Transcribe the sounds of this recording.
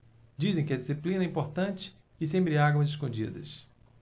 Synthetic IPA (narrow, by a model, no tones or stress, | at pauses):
d͡ʒizẽj̃kɪɐd͡ʒisiplĩnɐɛĩmpoɾt̪ɐ̃t͡ʃɪ̥ | ɪsẽmpɾɪaɡwɐzɪʃkõd͡ʒḭd̪ɐ̰s